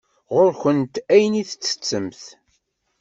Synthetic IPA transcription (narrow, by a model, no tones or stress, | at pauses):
ʁoɾçənt̪æjniθə̥t͡sːə̥t͡sːəmθ